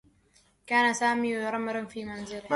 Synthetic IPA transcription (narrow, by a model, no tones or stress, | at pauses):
kaːnasaːmiːɾˤamɾɪnfiːmanzɪl